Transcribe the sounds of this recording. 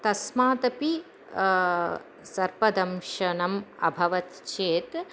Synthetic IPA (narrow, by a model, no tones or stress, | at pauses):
t̪ɐsmaːt̪ɐpi | sɐɾpɐd̪ɐmʃɐnɐmɐ̰bʱɐʋɐt̪t͡ʃeːt̪